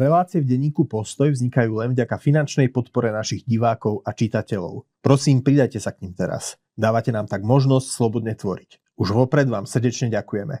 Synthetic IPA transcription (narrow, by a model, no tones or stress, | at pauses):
ɾɛlaːt͡siɛvɟɛɲiːkupɔst̪ɔjvzɲikajuːlɛnvɟakafinant͡ʃnɛjpɔt̪pɔɾɛnaʃiɣɟiʋaːkɔʊʔat͡ʃit̪acɛʎɔ̰ʊ | pɾɔsiːmpɾid̪ajcɛsakɲimt̪ɛɾa̰s | d̪aːʋacɛnaːmt̪aɡmɔʒnɔscslɔbɔd̪ɲɛt̪ʋɔɾic | uʒʋɔpɾɛd̪ʋaːmsr̩ɟɛt͡ʃɲɛɟakujɛmɛ̰